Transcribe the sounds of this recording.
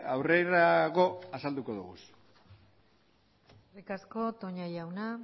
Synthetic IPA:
awreɾaɣo̞asald̪uko̞ðṵɣṵs | rikasko̞t̪o̞ɲajawna

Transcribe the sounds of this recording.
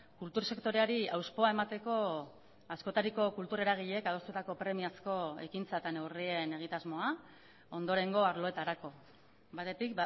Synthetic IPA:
kult̪uɾse̞kt̪o̞ɾeaɾiawspo̞ae̞mat̪e̞ko̞ | asko̞t̪aɾiko̞kult̪uɾe̞ɾaɣ̞iʎe̞kað̞ost̪ut̪ako̞pɾe̞miasko̞e̞̰kint͡sat̪ane̞wrie̞ne̞ɣ̞it̪azmo̞a | o̞nd̪o̞ɾe̞ŋɡo̞aɾlo̞e̞t̪aɾako̞ | bat̪e̞t̪ik̚

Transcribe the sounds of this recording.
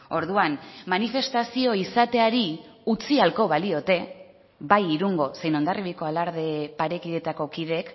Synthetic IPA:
o̞ɾðuanmanife̞st̪asio̞isat̪e̞aɾi | ut͡sialko̞βalio̞t̪e̞ | bajiɾuŋɡo̞se̞jno̞nd̪ariβiko̞alaɾðe̞paɾe̞kiðe̞t̪ako̞kiðe̞k

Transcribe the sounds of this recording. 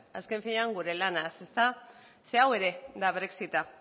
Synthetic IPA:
a̰ske̞ɱfiɲeaŋɡuɾe̞lanase̞st̪a | se̞awe̞ɾe̞d̪aβɾeksit̪a

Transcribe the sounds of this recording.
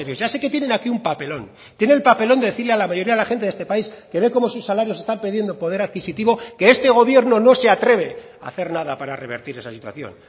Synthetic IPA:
eɾjoʝase̞ke̞t̪jenẽ̞nakiumpape̞lo̞n | t̪jeneːlpape̞lond̪eeθiɾlealamaʝo̞ɾiaðelaxe̞nt̪eðest̪e̞paiske̞βe̞ko̞mo̞susːalaɾjose̞st̪ampeðje̞nd̪opo̞ð̞e̞ɾaðkisit̪iβo̞ke̞est̪e̞ɣ̞o̞βje̞ɾno̞no̞se̞at̪ɾe̞βe̞ | a̰θe̞ɾnaðapaɾare̞β̞e̞ɾt̪iɾe̞sasit̪wa̰θjo̞̰n

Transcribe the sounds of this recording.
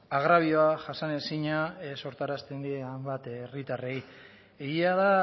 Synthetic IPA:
aɣɾaβ̞ioaʝasane̞siɲaso̞ɾt̪aɾast̪e̞nd̪ieajmbat̪erit̪are̞j | eɣiaða

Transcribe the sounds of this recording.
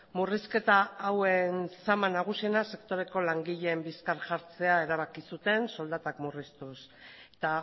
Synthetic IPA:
muriske̞t̪aawe̞nsamanaɣ̞usie̞nase̞kt̪o̞ɾe̞ko̞laŋɡiʎe̞mbiskaɾʝaɾt͡se̞ae̞ɾaβ̞akisut̪e̞nso̞ld̪at̪akmurist̪us | et̪a

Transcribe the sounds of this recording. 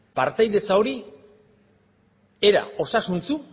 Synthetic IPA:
paɾt͡s̪ajðe̞t͡sao̞ɾi | eɾa̰o̞sasunt͡su

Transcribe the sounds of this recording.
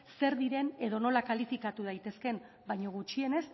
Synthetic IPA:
se̞ɾðiɾe̞ne̞ðo̞no̞lakalifikat̪uð̞ajt̪e̞ske̞m | bajɲo̞ɣ̞ut͡ʃie̞ne̞s

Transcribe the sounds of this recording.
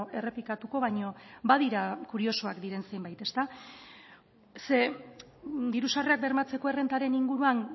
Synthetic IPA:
e̞re̞plikat̪uko̞βajɲo̞baðiɾakuɾio̞soakd̪iɾe̞nse̞jmbajt̪e̞st̪a | se̞ | d̪iɾusareak̚be̞ɾmat͡se̞ko̞e̞re̞nt̪aɾe̞niŋɡuɾuan

